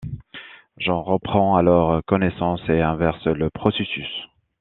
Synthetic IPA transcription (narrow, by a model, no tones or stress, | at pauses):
ʒɑ̃ʁəpχɑ̃alɔʁkɔnesɑ̃seɛ̃vɛʁsləpχɔsesys